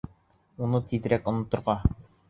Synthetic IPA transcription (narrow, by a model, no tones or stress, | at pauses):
unɤt̪ʰiðɘ̆ɾækŏnŏt̪ːŏɾʁɑ